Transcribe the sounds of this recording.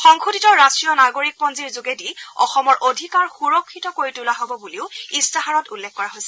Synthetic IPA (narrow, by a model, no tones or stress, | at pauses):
xɔŋkʰuditɔɹastɹijɔnaɡoɹik̚pɔnziɹzuɡediɔ̰xɔmɔɹʔodʱikaɹxuɹokʰːitɔkoɹitulaɦobɔbuliʊistaɦaɹɔtulːekːɔɹaɦojsɛ̥